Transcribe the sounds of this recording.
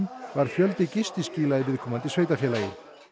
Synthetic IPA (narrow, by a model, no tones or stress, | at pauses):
nvaɾ̥fjœlt̪ɪcɪst̪ɪsciːlaðɪvɪðkʰɔːmant̪ɪsveːjt̪afjɛːlajɪ